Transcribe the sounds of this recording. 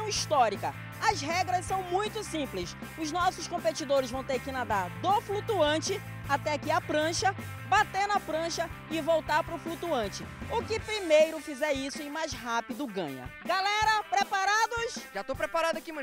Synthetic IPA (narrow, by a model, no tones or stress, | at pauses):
w̃iʃt̪ɔɾikɐ | ɐzɦɛɡɾɐssɐ̃w̃mũj̃t̪ʊsĩplɪs | ʊznɔsʊskõmpet͡ʃid̪oɾɪzvɐ̃w̃t̪eɾkɪnad̪aɾd̪oflut̪uɐ̃t͡ʃɪ | at̪ɛkɪɐpɾɐ̃ʃɐ | bat̪enɐpɾɐ̃ʃɐ | ɪvowt̪aɾpɾʊflut̪uɐ̃nt͡ʃɪʊkɪpɾimejɾʊfizɛɾisʊɪ̃majzɦapid̪ʊɡɐ̰̃ɲɐ̰ɡalɛɾɐpɾepaɾad̪ʊsʒat̪opɾepaɾad̪ʊakimɐ̃